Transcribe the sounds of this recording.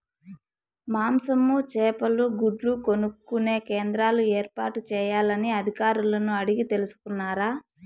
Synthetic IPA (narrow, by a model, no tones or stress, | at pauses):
maːmsɐmːut͡ʃɛːpɐluɡuɖluko̞nukːune̞ːkeːnd̪ɾaːlueːɾpa̰ːʈut͡ʃɛːjaːlɐniɐd̪ʱikaːɾulɐnuɐɽiɡit̪e̞lusu̥kunːaːɾaː